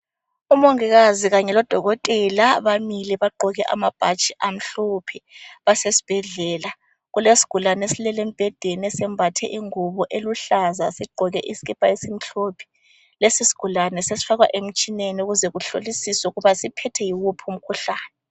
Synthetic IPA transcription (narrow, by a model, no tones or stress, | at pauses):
umoŋiɣaziɣaɲɛlɔd̥ʱɔɣɔtʼɛlaβamiliβaɡ͡ǃʱɔɣɛʔa̰mab̥ʱat͡ʃʼiʔam̩ɬopʰiβasesi̥b̥ʱɛɮɛːla | ɣulesi̥ɡ̥ʱulanesilɛlem̩b̥ʱɛd̥ʱeniɛsɛmbʱatʰɛ̰ʔiŋuβɔʔeluɬazasiɡ͡ǃʱɔɣɛ̰ʔisi̥ɣɛb̥ʰʱʼaesim̩ɬoːpʰi̥ | lesisi̥ɡ̥ʱulanɛsesi̥faɣwa̰ʔem̩t͡ʃʼineniuɣuzɛɣuɬo̰lisisɛuɣuβasipʰɛtʰɛjiɣupʰum̩kʰuɬaːnɛ